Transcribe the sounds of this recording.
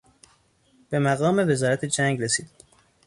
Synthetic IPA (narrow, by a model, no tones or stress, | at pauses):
b̥e̞mæɣɒːme̞ve̞zɒːɾæt̪ʰe̞d͡ʒæŋɡɾe̞siːd̪̥